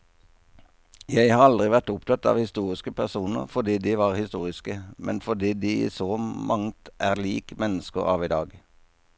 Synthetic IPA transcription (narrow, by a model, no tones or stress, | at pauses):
jæɪhɑːʁɑld̪ʁɪʋæʁt̪ʊpt̪ʰɑt̪ɑ̰ːʋhɪst̪uːʁɪskəpʰæʁsuːnə̰ʁfɔd̪iːd̪iːʋɑːʁhɪst̪uːʁɪskəmɛnfɔd̪iːd̪iːḭːsoːmʔɑŋt̪ʔæːʁliːkmɛnəskəʁɑ̰ːʋiːd̪ɑːɡ